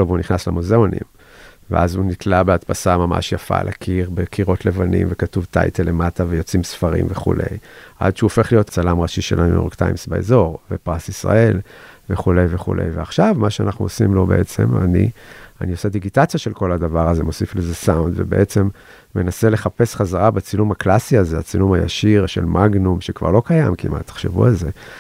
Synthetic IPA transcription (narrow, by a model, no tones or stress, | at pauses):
ovuniχnaslemozeonḭm | vḛʔazunitlabeatpasamama̰ʃjafa̰lʔa̰kʰiʁbekʰiʁo̞tlevanḭmvekatuvta̰jtele̞matavejo̞t͡simsfaʁḭmveχṵlʔe̞̰jʔa̰d̪ʃeuofe̞χlijo̞t̪t͡salamʁaʃiʃelanṵjoʁkta̰jmsbaḛzo̞ʁvepʁasisʁa̰e̞lve̞χule̞jveχṵlḛjveaχʃavmaʃeanaχnṵosimlo̞be̞ʔet͡se̞̰ma̰nḭa̰niosed̪iɡitat͡sjaʃe̞lko̞ladavaʁaze̞mo̞siflezesawund̪vḛbe̞̰ʔet͡se̞mː | enase̞leχape̞sχazaʁabet͡silumaklasiazeat͡silumhaja̰ʃiʁʃe̞̰lmaɡnumʃekv̥a̰ʁlo̞kajamkḭmʔa̰tːḁχʃḛvṵalze̞